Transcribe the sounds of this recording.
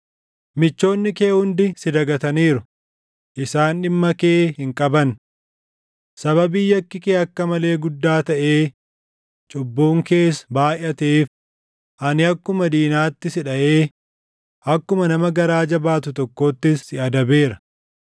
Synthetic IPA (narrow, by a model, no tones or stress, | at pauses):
mɪt͡ʃːo̞ːnːɪkeːhʊnd̪ɪsɪd̪ɐɡɐt̪ɐniːɾʊ | ʔɪsaːnᶑɪmːɐkeːhɪŋkʼɐbɐn | sɐβɐbɪjːɐkːɪkeːɐkːɐmɐle̞ːɡʊd̪ːaːt̪ɐʔe̞ː | t͡ʃʼʊbːoːŋke̞ːsbaːjɐt̪eːf | ʔɐnɪɐkːʊmɐd̪iːnaːt̪ːɪsɪᶑɐʔe̞ː | ʔɐkːʊmɐnɐmɐɡɐɾaːd͡ʒɐbaːt̪ʊt̪ɔkːo̞ːt̪ːɪsːɪɐd̪ɐbe̞ːɾɐ̥